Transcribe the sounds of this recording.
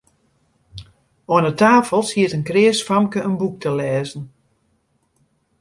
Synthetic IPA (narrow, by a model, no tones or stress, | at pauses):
ɔənətaːfəlˠshiətənkrɪəsfamkəʔənbuk̚tʰəlɛːzən̩